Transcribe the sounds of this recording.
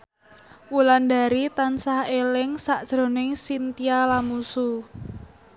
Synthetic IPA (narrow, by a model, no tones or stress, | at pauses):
wuland̪a̤ɾit̪ansahelɪŋsaʔd̥ʒ̥ɾo̤nɪŋsint̪ialamusu